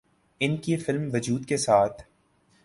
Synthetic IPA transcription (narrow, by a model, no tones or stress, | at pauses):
ɪnkifɪlmʋɐd͡ʒuːd̪kesaːt̪ʰ